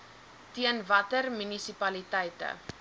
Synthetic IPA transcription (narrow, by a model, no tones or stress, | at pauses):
tiənvɐtərmynisipɐlitɛjtə̰